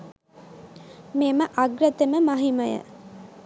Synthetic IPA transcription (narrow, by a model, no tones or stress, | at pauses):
meːməʔaɡɾət̪eməmɐɦiməjə̰